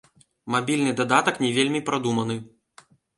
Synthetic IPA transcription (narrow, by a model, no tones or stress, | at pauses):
mabʲilʲnɨd̪ad̪at̪ɐknʲɛvʲelʲmʲipɾad̪umɐnɨ